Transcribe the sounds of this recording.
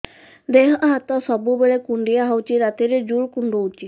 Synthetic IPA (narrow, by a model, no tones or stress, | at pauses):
d̪eɦãʔɦat̪ɔsɔbubeɭekuɳɖijaɦawt͡ʃiɾat̪iɾed͡ʒuɭkuɳɖuut͡ʃi